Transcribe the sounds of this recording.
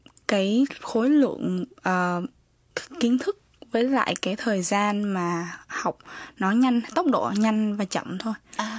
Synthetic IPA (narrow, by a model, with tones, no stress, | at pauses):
kaː˨˦jxo˨˦jlwɨ̰˧˨ənʔəː˨˩ | ki˨˦ənt̪ʰɨ˦˥k̚vəː˨˦jla̰ː˧˨jkaː˨˦jt̪ʰəː˨˩jzaː˧nmaː˨˩ha˨˩wk͡p̚nɔ˨˦ɲa˧jŋ̟t̪ə˦˥wk͡p̚ɗo̰˧˩ɲa˧jŋ̟vaː˨˩t͡ɕə̰˧˨mt̪ʰo˧j